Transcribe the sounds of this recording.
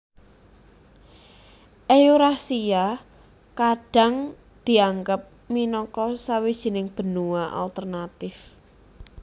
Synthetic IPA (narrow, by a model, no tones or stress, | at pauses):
ʔeuɾahsija | kaɖ̥a̤ŋ | d̪̥i̤aŋɡəp̚ | minɔkɔsawi̥z̥i̤nɪŋb̥ə̤nuwaʔa̰lt̪ərnat̪ɪf